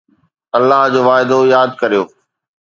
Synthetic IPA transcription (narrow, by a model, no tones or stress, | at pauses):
ɐlːaɦd͡ʑoːʋaːɪd̪ojaːd̪̚kɐɾijoː